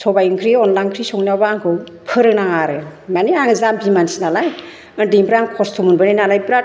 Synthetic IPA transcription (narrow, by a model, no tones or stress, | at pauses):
sɔbajŋkʰɾiɔnlaŋkʰɾisɔŋnawbaːŋkʰɯw | pʰɯɾɯnaŋaɾɯmaniaŋezambimansinalaj | ɯndiŋpʰɾaŋkʰɔstʰɔmunbɯnajnalajbɾat